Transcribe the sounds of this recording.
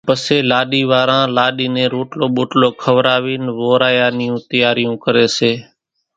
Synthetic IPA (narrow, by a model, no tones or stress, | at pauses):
pəseːlaːɗiːʋaːɾãːlaːɗiːnẽːɾoːʈloːɓoːʈloːkʰəʋɾaːʋiːnʋoːɾaːjaːnɪjũːt̪əjaːɾɪjũːkəɾeːseː